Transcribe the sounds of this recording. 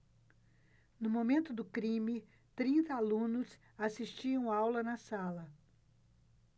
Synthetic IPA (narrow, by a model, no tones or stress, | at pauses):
nʊmomẽnt̪ʊd̪ʊkɾĩmɪ | t̪ɾĩnt̪ɐalũnʊs | asiʃt͡ʃiɐ̃w̃awlɐnɐsalɐ